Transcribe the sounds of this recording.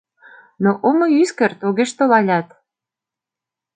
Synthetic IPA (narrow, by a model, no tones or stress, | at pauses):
noʔomoyskert̪oɣeʃt̪olɑlʲɑt̪